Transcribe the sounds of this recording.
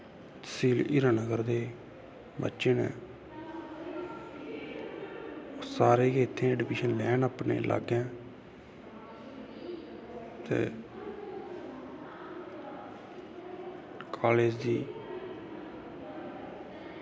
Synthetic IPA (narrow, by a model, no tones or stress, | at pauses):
siːliːɾãːnəɡəɾd̪eː | bə̰tːʃeːnḛ̃ː | osaːɾeːɡeːɪt̪ʰːẽːɛːɖɪpɪːʃənlɛːnaːpnḛːlʔa̰ɡɛ̃ː | t̪ḛː | kʰaːleːd͡ʒd̪iː